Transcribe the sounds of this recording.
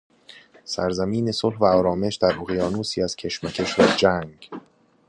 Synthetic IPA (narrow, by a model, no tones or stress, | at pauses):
sæ̰ɾzæmiːne̞solhvæɒːɾɒːme̞ʃd̪æɾʔoɣijɒːnuːsiːæz̥cʰe̞ʃmæcʰeʃɾɒːd͡ʒæŋɡ